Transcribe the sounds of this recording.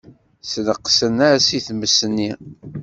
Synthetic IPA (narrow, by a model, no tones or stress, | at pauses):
snəqːsənaɾsiθməsənːi